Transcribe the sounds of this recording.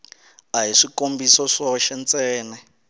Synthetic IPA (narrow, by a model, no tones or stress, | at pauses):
aɦiʂikombisɔʂɔʃɛnt͡sɛːnɛ